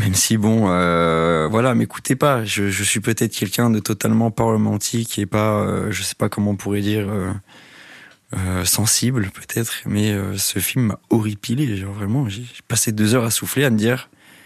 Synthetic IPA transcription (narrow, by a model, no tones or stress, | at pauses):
mɛmsibɔ̃øvwalameku̥t̪ʰepaʒəʒəsɥipøt̪ɛt̪χkɛlkʲɛ̃d̪ət̪ɔt̪almɑ̃paʁləmɑ̃t̪ʰikʲepaø̰ʒəsɛ̥pakɔmɑ̃ɔ̃puʁɛd̪iːʁø | øsɑ̃siblpʰøt̪ʰɛt̪χmɛøsəfilmːa̰ɔʁipileʒɔʁvʁɛmɑ̃ʒeʒpased̪øzœʁasufleaməd̪iʁ